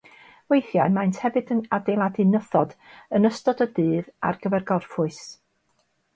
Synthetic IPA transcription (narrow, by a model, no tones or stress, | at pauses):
wejθjaɨmajntʰhɛvɨdənadelˠadɨnəθɔdənəstɔdədɨːða̰rɡ̥əvɛrɡɔrfʊɨs